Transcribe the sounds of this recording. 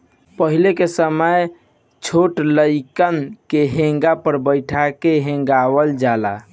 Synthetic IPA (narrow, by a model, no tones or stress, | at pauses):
pəɦilekesəməj | t͡ʃʰoʈləɪkənkeɦẽŋɡapəɾbəɪʈʰakeɦẽŋ̆ɡawəld͡ʒala̰